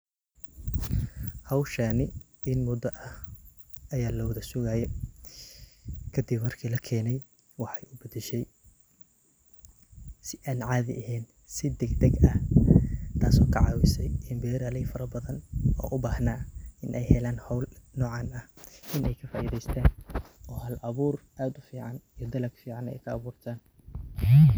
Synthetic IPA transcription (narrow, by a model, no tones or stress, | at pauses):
hɐwʃaːnɪ | ɪnmʊd̪ɐʔɐh | ɐjaːlɔwɐðɐsʊɣaːjɛ | kʰɐd̪ɪbmɐrkʰiːlɐkʰɛːnɛj | wɑħɑjʔʊbɐd̪ɛʃɛj | sɪʔaːnʕɑːðɪ̰ʔɐɦɛːn | sɪd̪ɛɡd̪ɛɡɐh | t̪ʰaːsɔːkʰɐʕɑ̰wɪsɛjɪmbɛːɾaːlɛjfɐɾɐbɐðɐnɔ̰ːʔʊbaːhnaːɪnʔɛjhɛlaːnhɔwlnɔːʕɑːnɐhʔɪnʔɛjkʰɐfaːʔiːðɛjst̪ʰaːnɔːhɐlʔɐβuːrʔaːd̪ʊfiːʕɑnijɞd̪ɐlɐɡfiːʕɑnɛ̰jkʰɐːβuːrt̪ʰaːn